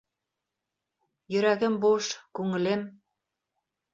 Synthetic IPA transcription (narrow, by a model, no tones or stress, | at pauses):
jø̆ɾæɣə̆mbuʃkuŋə̆lem